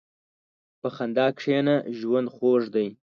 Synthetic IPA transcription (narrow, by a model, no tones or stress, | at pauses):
pəxand̪ɑkʂenaʒwand̪xoʐd̪aj